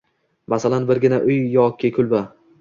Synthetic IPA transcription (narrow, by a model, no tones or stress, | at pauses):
masalanbɪɾɡʲɪnaʔʊjːɒkʲɪkʰʊlba